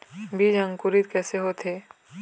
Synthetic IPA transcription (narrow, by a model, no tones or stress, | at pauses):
biːd͡ʒɐ̃ŋkʊɾit̪kɛːseɦot̪ʰeː